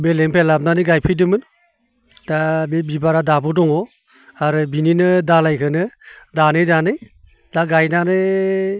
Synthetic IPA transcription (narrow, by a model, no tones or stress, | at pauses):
belempʰelap̚nanɯɡajpʰɯjdɯmɯn | d̥abebibaɾadabudɔŋɔ | aɾɯbininɯdalajkʰɯnɯdanɯjdanɯj | d̥aɡajnanɯ